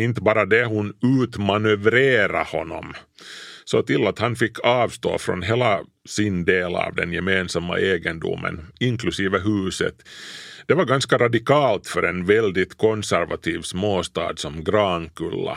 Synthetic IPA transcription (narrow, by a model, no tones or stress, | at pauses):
ɪnt̪əbɑːɾad̪ɛhʊnʉːt̪manɵvɾeːɾahɔnːɔ̰m | sɔt̪ɪlːat̪hanfɪkʰːɑːvst̪o̰ːfɾɔ̰nɦeːla | sɪnd̪eːlɑ̰ːvd̪ɛ̰njɛmeːnsamːa̰ʔeːɡənd̪ṵmə̰nɪŋklɵsiːvəɦʉ̟ːsə̰t̪d̪̥ɛvaɾɡanskaɾad̪ɪkɑːlt̪fœɾɛnvɛld̪ɪt̪kʰɔnsæɾvat̪ʰiːvsmoːst̪ɑ̰ːd̪sɔmɡɾɑːnkɵlːa̰